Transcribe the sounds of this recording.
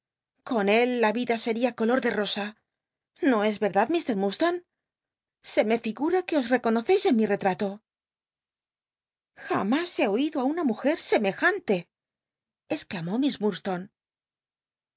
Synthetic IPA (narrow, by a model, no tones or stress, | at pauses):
ko̞ne̞lːaβiðase̞ɾiako̞lo̞ɾðe̞ro̞sa | no̞e̞zβe̞ɾðaðmist̪e̞ɾmust̪on | se̞me̞fiɣuɾake̞o̞sre̞ko̞no̞θe̞jse̞nmire̞t̪ɾat̪o̞ | xa̰mase̞o̞iðoaunamuxe̞ɾse̞me̞xant̪e̞ | esklamo̞mizmuɾst̪o̞n